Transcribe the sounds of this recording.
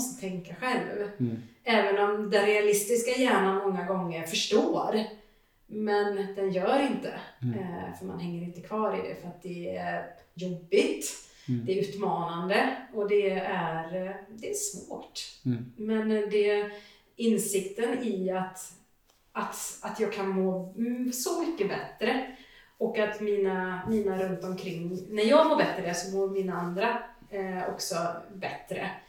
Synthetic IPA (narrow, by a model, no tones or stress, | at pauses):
st̪ə̥t̪ʰɛŋkaɧɛlv | ɛːvənɔmd̪ɛnɾɛalɪst̪ɪskajæːɳanmɔŋːaɡɔŋːəɾfœʂʈoːɾ | mɛnd̪ɛnjœːɾɪnt̪ə̰ | fœɾma̰nɦɛŋːəɾɪnt̪əkʰvɑːɾɪ̰d̪ɛ̰fœɾat̪̚d̪ɛæɾjɔbːɪt̪ | d̪ɛæɾʉ̟ːt̪mɑːnand̪əɔd̪ɛæɾd̪ɛæʂvoːʈ | mɛnd̪ɛ | ɪnsɪkt̪ənɪat̪ | at̪at̪jɑːɡ̚kʰanmoːsɔmʏkːəbɛt̪ɾə | ɔkat̪miːnamiːnaɾɵnt̪ɔmkʰɾɪŋːnæɾjɑːɡmoːɾbɛt̪ːɾəsɔmoːɾmiːnːaand̪ɾa | ɔ̰ksɔbɛt̪ɾə̰